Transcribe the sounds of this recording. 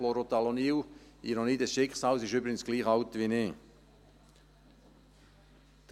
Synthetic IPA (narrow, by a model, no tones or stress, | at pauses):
loɾot̪aloniːwinɔnɪdəsʃɪkχsɑːlsɪʃybɾɪɡənsɡ̥liːχɑʊt̪ʋineː | d̪̥